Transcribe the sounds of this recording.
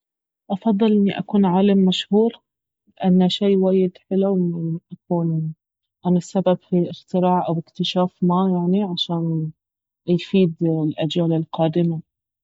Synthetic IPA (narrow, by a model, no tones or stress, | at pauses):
ʔɑfɑd̪ˤːɨlʔɪnːiʔa̰kuːnʕaːlamːaʃhuːɾ | lɪʔanːaʃiːwaːjɪd̪ħɪluwmɪnʔakuːn | ʔanasːababfiʔɪxt̪ɪɾaːʕʔawɪkt̪ɪʃaːfmajaʕniʕaʃaːn | jfiːd̪lʔad͡ʒjaːlɪlqɑːd̪ɪma